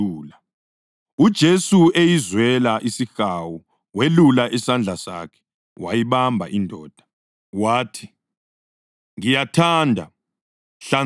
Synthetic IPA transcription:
uːla | ud̥ʒ̥ʱesuejizwɛlaʔisixawu | welulaʔisand͡ɮʱasa̰kʰɛ̥ | wa̰jiɓambʱa̰ʔindʱɔːd̥ʱḁ | waːtʰi̥ | ŋijatʰaːndʱa̰ | ɬa

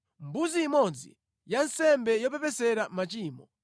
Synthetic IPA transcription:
mbuziːmɔnd͡zḭ | jansɛmbɛjɔp̬ɛpɛsɛɾamat͡ʃiːmɔ

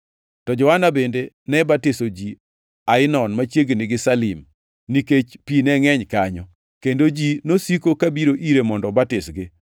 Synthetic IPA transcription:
tɔd͡ʒɔanabende | nɛbatɪsod͡ʒi | aɪnɔnmat͡ʃjeɡnɪɡɪsalɪm | niket͡ʃpinɛŋɛɲkaɲɔ | kendod͡ʒinosikokabiɾoʔiɾemɔndɔbatɪsɡɪ

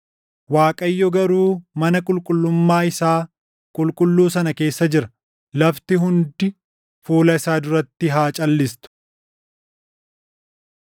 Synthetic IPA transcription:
waːkʼɐjːɔɡɐɾuːmɐnɐkʼʊlkʼʊlːʊmːaːɪsaː | kʼʊlkʼʊlːuːsɐnɐke̞ːsːɐd͡ʒɪɾɐ | lɐft̪ɪɦʊnd̪ɪ | fuːlɐɪsaːd̪ʊɾɐt̪ːɪɦaːt͡ʃʼɐlːɪst̪ʊ̥

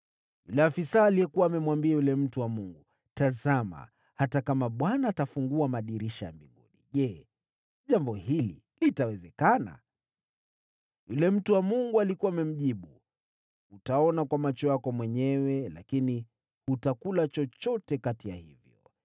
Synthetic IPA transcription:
jṵlɛafisaːlijɛkuwaːmɛmwambiajulɛm̩tuwamuŋɡu | tazama̰ | hatakamaɓwanaːtafuŋɡuamaɗiɾiʃaja̰mbḭŋɡuɗiʄɛ | ʄambɔhilḭ | litawɛzɛkana̰ | julɛm̩tuwamuŋɡualikuwaːmɛm̩ʄiɓu | utaɔnakwamat͡ʃɔjakɔmwɛɲɛwɛla̰kini | hutakulat͡ʃɔt͡ʃɔtɛkatija̰hivjɔ

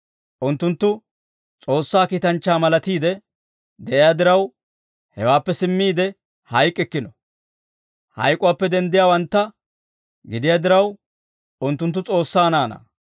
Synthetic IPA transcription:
ʔʊnt̪ːʊnt̪ːʊ | t͡sʼo̞ːsːaːkiːt̪ɐnt͡ʃːaːmɐlɐt̪iːd̪ɛ | d̪ɛʔɪjaːd̪ɪɾɐw | hɛ̰waːpːɛsɪmːiːd̪ɛ | hɐjkʼːɛkːɪnɔ | hɐ̰jkʼʊwaːpːɛd̪ɛnd̪ɪjaːwɐnt̪ːɐ | ɡɪd̪ɪjaːd̪ɪɾɐw | ʊnt̪ːʊnt̪ːʊt͡sʼo̞ːsːaːnaːnɐ̰

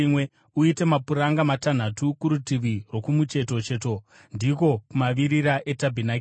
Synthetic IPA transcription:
mwe | uite̞mapuɾaŋɡamatan̤atukuɾutiʋirwo̞kumut͡ʃe̞to̞t͡ʃe̞to̞ | ndiko̞kumaʋiɾiɾaʔe̞tabʱinak

